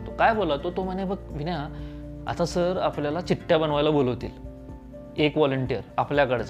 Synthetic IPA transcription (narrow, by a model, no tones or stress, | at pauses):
t̪okajbʱolat̪ot̪om̤ənẽbəɡʋinja | a̰t̪asəɾapljalat͡ɕiʈːjabənʋajlaboləʋt̪ḭːl | ekʋɔləɳʈijəɾapljakəɽt͡sa